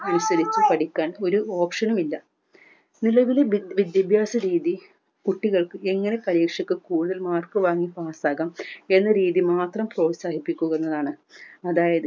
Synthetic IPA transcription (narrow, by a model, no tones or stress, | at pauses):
ɐnusɐɾit͡ɕːɨpɐɽikʲːaːno̞ɾuo̞ːpʂɐnumilːɐ | nilɐʋileʋid̪jɐbʱjaːsɐɾiːði | kuʈːiɣɐɭkɨe̞ŋːɐne̞pɐɾiːkʂɐkːɨkuːɽuðɐlmaːrkɨʋaːŋːipaːsaːɣɐme̞nːɐɾiːðimaːt̪rɐmpro̞ːʋsaːhipːikʲːuɣenːɐðaːɳɨɐðaːjɐðɨ